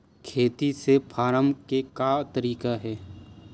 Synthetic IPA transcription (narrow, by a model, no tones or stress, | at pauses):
kʰeːt̪isepʰaːɾəmkekat̪əɾiːkaɦɛː